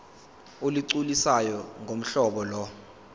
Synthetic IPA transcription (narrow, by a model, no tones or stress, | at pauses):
oliǀulisajɔŋʱom̩ɬɔɓɔlɔ